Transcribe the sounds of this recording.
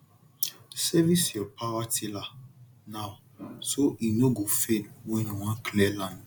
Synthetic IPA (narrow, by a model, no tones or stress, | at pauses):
sɛvisɔlpʰawatila | na | soʔinoɡofenweniwãkʰlɛlãnd